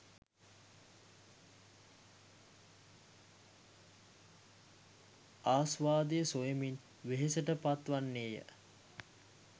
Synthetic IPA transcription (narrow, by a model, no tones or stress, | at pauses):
aːsʋaːd̪ejəsojəmin | ʋeɦesəʈəpat̪ʋanːeːjə̰